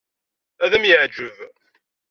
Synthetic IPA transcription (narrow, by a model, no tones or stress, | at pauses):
æðæmjəʕd͡ʒəv